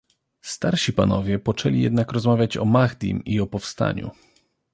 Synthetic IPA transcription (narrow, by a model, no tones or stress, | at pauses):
st̪aɾɕipa̰nɔvʲjɛpɔt͡ʂɛlʲijɛ̰d̪nakɾɔzmavʲjat͡ɕɔmaɣd̪ʲḭmiɔpɔfst̪a̰ɲṵ